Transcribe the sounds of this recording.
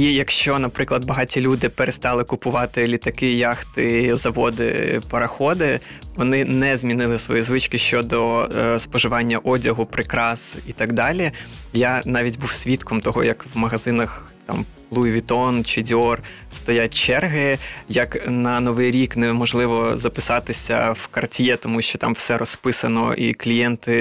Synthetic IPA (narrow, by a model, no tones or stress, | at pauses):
ijɐkʃt͡ʃɔnɐpɾɪklˠɐd̪̚bɐɦɑtʲilʲud̪ɪpeɾest̪ɑlˠɪkʊpʊʋɑt̪ɪlʲit̪ɐkɪjɑxt̪ɪzɐʋɔd̪ɪ̰pɐɾɐxɔd̪ɪ | ʋɔnɪnɛzʲmʲinɪlˠɪsʋɔjizʋɪt͡ʃkɪʃt͡ʃɔd̪ɔspɔʒɪʋɑnʲːɐʔɔdʲɐɦʊpɾɪkɾɑsit̪ɑɡd̪ɑlʲijɑnɑʋʲitʲbuwsʲʋʲit̪kʰɔmt̪ɔɦɔ̰jɐkwmɐɦɐzɪnɐx | t̪ɑ̰m | lˠujʋʲit̪ɔnt͡ʃɪdʲɔr | st̪ɔjat̚ʲt͡ʃɛrɦɪjɐknɐnɔʋɪjɾʲiknɛmɔʒlˠɪʋɔzɐpɪ̥sɑt̪ɪsʲɐ̰wkɐrtʲjɛt̪ɔmuʃt͡ʃɔt̪ɑ̰mwsɛɾɔspɪsɐnɔ̰ʔiklʲijɛnt̪ɪ